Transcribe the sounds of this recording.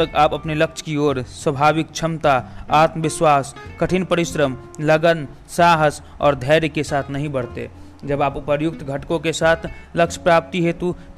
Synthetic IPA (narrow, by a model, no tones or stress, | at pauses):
əɡaːpəpneləkt͡ʃʰkioːɾswəbʱaːʋɪk̚t͡ʃʰəmt̪aaːt̪məʋɪswaːskəʈʰinpəɾɪʃɾəm | ləɡən | saːɦəs | ɔ̰ːɾd̪ʱəɪɾkesaːt̪ʰnəɦĩbəɽt̪ḛ | d͡ʒəbaːpʊpəɾjʊk̚t̪ɡʱəʈkõkesaːt̪ʰləkt͡ʃʰpɾaːp̚t̪iɦet̪u